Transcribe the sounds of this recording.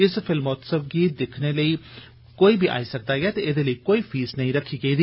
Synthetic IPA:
ɪspʰɪlmɔːt̪səbɡiːd̪ɪkʰneːləiː | koːiːbʱiːʔa̰ːisək̚d̪aːɡɛːt̪eːɪd̪eːləiːkoːiːpʰiːsnəɦĩːɾəkʰːiːɡaiːd̪iː

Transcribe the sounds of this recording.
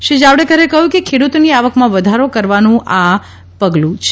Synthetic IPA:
ʃid͡ʒaʋɽekəɾekəɦjũkekʰeɽut̪niaʋəkmãʋəd̪ʱaɾokəɾʋanũʔa | pəɡlũt͡ʃʰ

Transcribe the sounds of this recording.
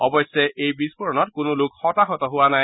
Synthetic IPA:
ɔbɔsɛejbispɔɹɔnɔtkʊnʊlʊkxɔtaxɔtɔɦʊwanaj

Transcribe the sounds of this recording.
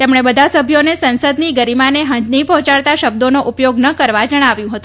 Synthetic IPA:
t̪emɳ̃ebəd̪ʱasəbʱjonesənsəd̪niɡəɾimaneɦə̃ɲd͡ʒnipəɦɔ̃t͡ʃaɭt̪aʃəb̚d̪onoʔupjoɡnəkəɾʋad͡ʒəɽ̃aʋjũɦət̪ũ

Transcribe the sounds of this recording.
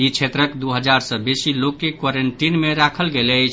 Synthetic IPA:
it͡ʃʰet̪ɾəkd̪uɦəd͡ʒaɾsəbesilokːekwaɾeɳʈinmeɾakʰəlɡelət͡ʃʰ

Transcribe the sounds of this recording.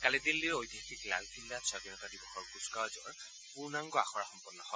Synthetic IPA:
kalɛdilːiojdʱjaxikla̰lkilːasabinɔtadibɔxʰɔɹkuskawzɔɹ | punaŋɡɔaxɔɹaxɔmpɔnːɔhɔj

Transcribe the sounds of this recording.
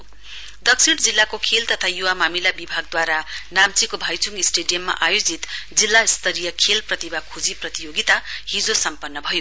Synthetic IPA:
d̪ʌksʰiɽd͡zilːakokʰelt̪ʌt̪ʰajuwamamilabibʱaɡ̚d̪waɾanamt͡sikobʱajt͡suŋɡisʈeɖijʌmːa̰ʔajod͡zit̪d͡zilːaist̪ʌɾijʌkʰelprʌt̪ibakʰud͡ziprʌt̪ijoɡit̪aɦid͡zosʌmpʌnːʌbʱʌjo

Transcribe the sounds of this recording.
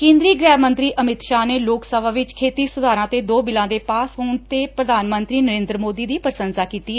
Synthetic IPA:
kẽːnd̪ɾiːɡɾɛːmənt̪ɾiːʔʔəmɪt̪ʃaːneːloːksəʋaːʋɪt͡ʃkʰeːt̪iːsʊd̪ʱaːɾãːt̪eːd̪oːbɪlãːd̪eːpaːsɦoːɳt̪eːpɾəd̪ʱaːnmə̃nt̪ɾiːnəɾẽːnd̪ɾəmoːd̪iːd̪iːpəɾsənsaːkiːt̪iːɛː

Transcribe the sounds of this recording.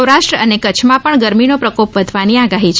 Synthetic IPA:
wɾaʃʈɾəənekəːt͡ʃʰmãpəɳɡəɾminopɾəkopʋəd̪ʱʋaniaɡaɦit͡ʃʰ

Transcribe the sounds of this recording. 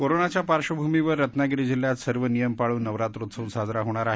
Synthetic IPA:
koɾonat͡ɕjapaɾɕəbʱumiʋəɾːət̪naɡiɾid͡ʑiljat̪səɾʋənijəmpaɭuːnːəʋɾat̪ɾot̪səunsad͡zɾaɦoɽ̃aɾaɦe

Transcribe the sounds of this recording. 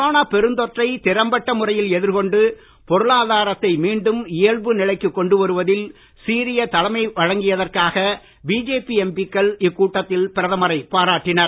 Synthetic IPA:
kɾoːnaːpɛɾɯnd̪ɔʈrɐɪt̪ɪɾɐmbɐʈːɐmʊrɐjɪlɛðɪɾkɔɳɖɯ | pɔɾɯlaːðaːɾɐt̪ːɐɪmiːɳɖɯmɪɐɭʋɯnɪɭɐɪkːɯkːɔɳɖɯʋɐɾɯʋɐðɪl | siːɾɪjɐt̪ɐlɐmɐɪʋɐɻɐŋɡɪjɐðɐrkaːɣɐ | biːd͡ʒeːpiɛmbɪkːɐɭɪkːuːʈːɐt̪ːɪlpɪɾɐðɐmɐɾɐɪpaːɾaːʈːɪnɐɾ

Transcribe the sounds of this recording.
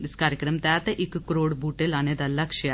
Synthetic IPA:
iskaːɾjɐkɾɐmt̪aːt̪ɐʔikːɨkɾoːɽbuːʈːelɐned̪ɐlːɐkʂɐja

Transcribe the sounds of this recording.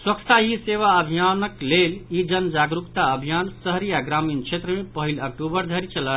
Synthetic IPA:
swəkʰt̪aɦiseʋaəbʱijanəklelid͡ʒənəd͡ʒaɡɾukt̪aəbʱijansəɦɾijaɡɾamint͡ʃʰet̪ɾəmepəɦilək̚ʈubəɾd̪ʱəɾit͡ʃəla

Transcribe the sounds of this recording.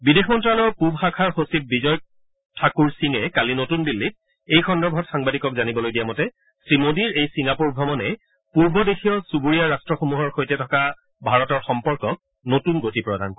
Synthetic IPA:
bidexmɔntɹalɔɹpubxakʰaɹxosip̚bizɔjk̚ | tʰakuɹsiŋɛkalinotundilːit̚ | ejxʰɔndɔbʱɔtxaŋbadikɔkzanibɔlojdijamɔtɛ | sɹimodiɹejsiŋapuɹɡʱɔmɔnɛ | puɹbɔdexijɔsubuɹijaɹastɹɔxomuɦɔɹxojtɛtʰɔka | bʱaɹɔtɔɹxɔmpɔɹkɔk̚ | notunɡotipɹɔda̰nkɔ

